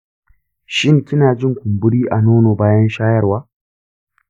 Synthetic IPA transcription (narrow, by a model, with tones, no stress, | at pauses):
ʃɪ˦ŋkʲɪ˦naː˨d͡ʒɪ˦ŋkʷʊ˨mbʊ˦ɽiː˦ʔa˨noː˦noː˨baː˦jɐ˦nʃaː˦jɐ˦rwaː˦